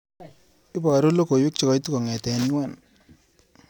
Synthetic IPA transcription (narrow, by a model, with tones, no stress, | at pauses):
i˦ba˨ɾo˦lo˦ko˨wɪ˦k̚t͡ʃɔ˦kɔ˨˦jtu˦kɔ˨ŋɛ˨tɛ˨n˦wa˦˨n